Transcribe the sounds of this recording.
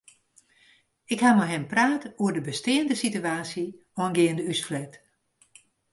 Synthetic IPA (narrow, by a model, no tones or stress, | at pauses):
ɪkhamaɦɛmpraːtəuərdəbəstɪːəndəsityaːsji | ɔnɡɪːəndəysflɛt